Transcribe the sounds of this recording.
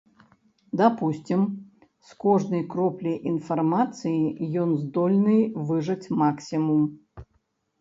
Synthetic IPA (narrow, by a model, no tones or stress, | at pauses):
d̪apusʲt͡sʲim | skɔʐnɐjkɾɔplʲɐjʔinfarmat̪sɨjijɔnzd̪ɔlʲnɨjvɨʐɐt͡sʲmaksʲimum